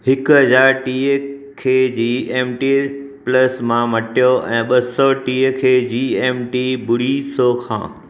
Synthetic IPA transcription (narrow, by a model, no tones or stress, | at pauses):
hɪkʊɦɐzaːɾʈiːəkʰeːd͡ʑiːeːmʈi | plɐsmãmɐʈʰijoʔɛ̃ːɓɐsɔʈiːəkʰeːd͡ʑiːeːmʈiːbʊɽisoːkʰã̰ː